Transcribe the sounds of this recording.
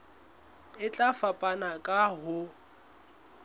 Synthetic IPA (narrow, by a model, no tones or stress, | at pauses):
ɪt͡ɬʼafapʼanakʼaɦʊ